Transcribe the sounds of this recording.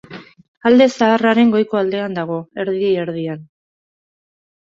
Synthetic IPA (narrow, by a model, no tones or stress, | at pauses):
ald̪e̞saːraɾe̞ŋɡo̞jko̞ald̪e̞and̪aɣ̞o̞e̞ɾðieeɾðian